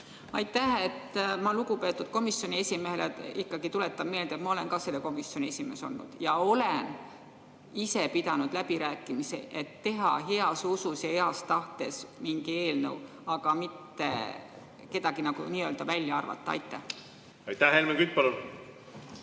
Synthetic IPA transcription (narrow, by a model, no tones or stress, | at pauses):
ɑjt̪ːæhe̞t̪ːmɑluɡ̥upe̞ːt̪ːˑud̪̥̚ko̞misːjo̞nʲie̞sʲimeeleikːɑɡit̪ule̞t̪ːˑɑbme̞ːld̪̥et̪mɑo̞le̞nkɑse̞lːeko̞misːjonʲie̞sʲime̞̰so̞̰lːṵd̪̥jɑo̞len | ise̞pid̪ɑnud̪̥læbiɾæːkːˑimisḛʔet̪ːe̞ɦɑ̰ɦe̞ɑsususɑeɑst̪ɑht̪e̞smiŋɡie̞ːlnə̰w | ɑɡ̥ɑmit̪ːe̞̰ | ke̞d̪̥ɑɡinɑɡṵniːø̞ːld̪ɑvælʲːjɑɑrvɑ̰t̪ːˑɑɑ̰jt̪ːˑæh | ɑjt̪ːæhhelmekyt̪̚ːˑpɑlun